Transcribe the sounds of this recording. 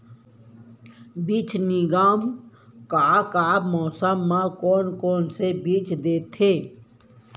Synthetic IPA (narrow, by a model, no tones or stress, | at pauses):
biːt͡ʃʰniɡaːmkaːkaːbmɔːsəmːãkoːnkoːnsebiːt͡ʃʰd̪eːt̪ʰeː